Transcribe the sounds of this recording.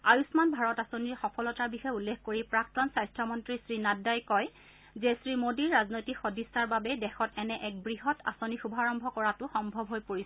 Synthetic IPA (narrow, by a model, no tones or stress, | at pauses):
ajusmanbʱaɹɔtasoniɹxɔpʰɔlɔtaɹbixɔjulːekkoɹipɹak̚tɔnsajstʰɔmɔntɹisɹinadːajkɔj | zesɹimodiɹːaznojtikxodisaɹbabɛdɛxɔtɛnɛʔɛk̚bɹiɦɔtʰa̰sonixubʱaɹɔmbʱɔkɔɹatʊxɔmbʱɔbʱɦojpoɹis